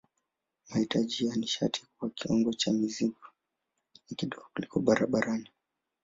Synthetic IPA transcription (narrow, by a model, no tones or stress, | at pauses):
mahitad͡ʒijaniʃa̰tʰi̥kuwakiɔŋɡɔt͡ʃamiziɡɔ | nakiɗɔɡɔkulikɔɓaɾaɓaɾani